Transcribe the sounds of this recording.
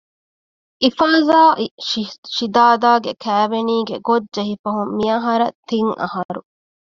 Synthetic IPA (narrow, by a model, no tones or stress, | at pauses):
ʔifaːzaːʔ | ʃid̪aːd̪aːɡekʰæːʋeniːɡeɡodd͡ʒeɦifɐɦumːiɐɦɐɾɐ̰t̪iŋɐ̰hɐɾṵ